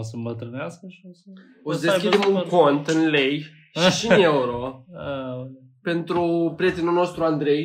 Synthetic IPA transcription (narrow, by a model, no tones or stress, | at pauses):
səmbət̪ɾɨneaskəʃis | osd̪e̞skʲid̪e̞muŋko̞nt̪ɨnlej | ʃiʃineuɾo | pe̞nt̪ɾupɾije̞t̪enulno̞st̪ɾuand̪ɾe̞j